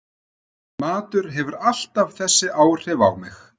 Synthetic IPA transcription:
maːt̪ʏɾɦɛvʏɾal̥t̪avθɛsːɪʔaːwr̥ɛva̰wmɪx

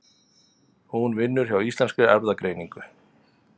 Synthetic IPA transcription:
hunvɪnːʏɾ̥çawist̪ɛnskʏɛɾðakɾeːjniŋkʏ

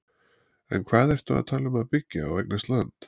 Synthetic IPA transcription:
ɛ̰nkʰvaːðɛr̥t̪aa̰ðt̪ʰaːlʏmaðpɪcːaːwejknast̪lant̪

